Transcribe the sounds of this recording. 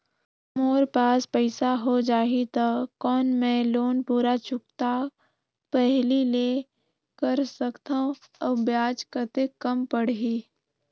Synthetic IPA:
moːɾpaːspəɪsaɦod͡ʒaːɦit̪akɔːnmɛ̃loːnpuːɾat͡ʃʊkt̪a | pɛɦlile | kəɾsəkt̪aũ | ɔbjaːd͡ʒkəɾt̪ekəmpəɽɦiː

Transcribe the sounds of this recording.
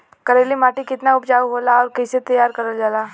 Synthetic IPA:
kɐɾeːlimaːʈikɪt̪naʊpd͡ʒaːuɦoːlaɔːɾkɛset̪ɐjaːɾkɐɾəld͡ʒaːlaː

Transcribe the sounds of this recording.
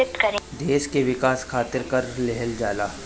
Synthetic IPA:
ɪt̪kɐɾd̪eːʃkeʋɪkaːskʰaːt̪ɪɾkɐɾlɛɦəld͡ʒaːlaː

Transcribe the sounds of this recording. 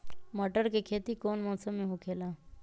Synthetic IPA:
mɔːʈəɾkekʰeːt̪ikoːnmɔ̃ːsəmːẽɦokʰeːlaː

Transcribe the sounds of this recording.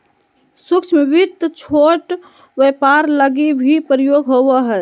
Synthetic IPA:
sukt͡ʃʰmeʋiɾt̪t͡ʃʰoʈ | bepaɾləɡibʱipɾijoɡɦobəɦɛ

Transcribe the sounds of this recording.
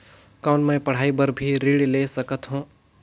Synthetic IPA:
kaʊɳmɛ̃pɐɽ̤aːibəɾbʱiɾiːɽleːsɐkət̪ɦũː

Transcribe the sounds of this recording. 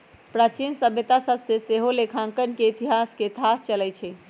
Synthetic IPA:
pɾat͡ʃinsəbʱet̪asəbseseɦolekʰãŋkənkeit̪iɦasket̪ʰast͡ʃəlɛt͡ʃʰɛ

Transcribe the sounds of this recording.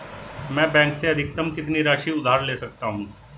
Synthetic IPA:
mɛ̃ːbɛ̃ːŋkseɐd̪ʱɪk̚t̪əmkɪt̪niɾaːʃiʊd̪ʱaːɾleːsɐk̚t̪aɦũː

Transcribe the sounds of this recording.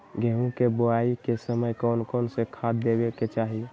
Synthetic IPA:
ɡʱeɦũkeboaikesəməjkɔnkɔnsẽkʰad̪d̪ebeket͡ʃaɦi

